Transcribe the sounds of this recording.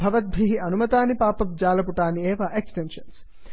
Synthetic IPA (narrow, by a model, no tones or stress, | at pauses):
bʱɐʋɐt̪̚bʱiɦiɐnumɐt̪aːnipaːpɐmd͡ʒaːlɐpuʈaːnieːʋaːʔeksʈenʂɐns